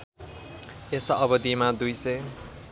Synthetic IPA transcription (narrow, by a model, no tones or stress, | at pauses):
esʌʌbʌd̪imad̪ujsʌj